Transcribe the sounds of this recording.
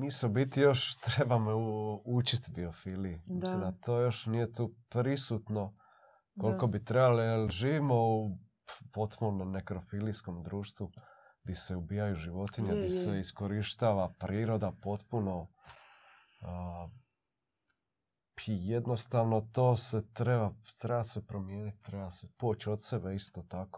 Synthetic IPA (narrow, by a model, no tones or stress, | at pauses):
miːsmobit̪ijo̞ʃt̪ɾebamout͡ʃit̪biofiːlijimmislimd̪at̪oːjo̞ʃnije̞t̪uːpɾisut̪no̞ | ko̞lko̞bit̪ɾebalijelʒiːʋimo̞u | po̞t̪punomomnekɾofilisko̞md̪ɾuːʃt̪ʋu | ɡd̪iseubiːjajuʒiʋo̞t̪iɲed̪iseisko̞ɾiʃt̪aːʋapɾiːɾo̞d̪apo̞t̪puno̞ | ijed̪no̞st̪aʋno̞t̪oːset̪ɾebat̪ɾebasepɾo̞mjeːnit̪t̪ːɾebaseput͡ɕot̪se̞beist̪ot̪ako